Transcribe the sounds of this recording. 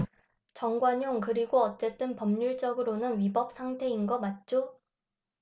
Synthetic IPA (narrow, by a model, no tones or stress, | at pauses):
t͡ɕʌŋɡwaɲoŋkɯɾiɡoʌt͡ɕ͈e̞t͈ɯnpʌmɲuɭt͡ɕ͈ʌɡɯɾonɯnɥibʌp̚s͈ʰaŋtʰe̞inɡʌmat̚t͡ɕ͈o